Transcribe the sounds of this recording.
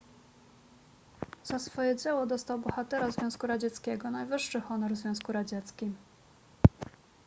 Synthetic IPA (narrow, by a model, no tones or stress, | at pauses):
z̥asfɔjɛd͡ʑɛwɔd̪ɔst̪awbɔxat̪ɛɾazvʲjɔ̃w̃skuɾad͡ʑɛt̪skʲɛɡɔnajvɘʂːɘxɔnɔɾzvʲɔ̃w̃s̬kuɾad͡ʑɛt̪skʲim